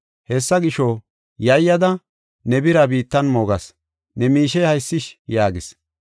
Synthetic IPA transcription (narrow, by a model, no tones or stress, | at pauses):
hɛsːɐɡɪʃɔ | jɐjːɐd̪ɐ | nɛbɪɾɐbiːt̪ːɐnmoːɡɐs | nɛmiːʃɛjhɐjsːɪʃjaːɡɪs